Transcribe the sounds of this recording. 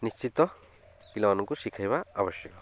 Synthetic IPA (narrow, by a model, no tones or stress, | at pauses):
nist͡ʃit̪ɔ | kilɔːnɔkusikʰajβaabɔsjɔkɔ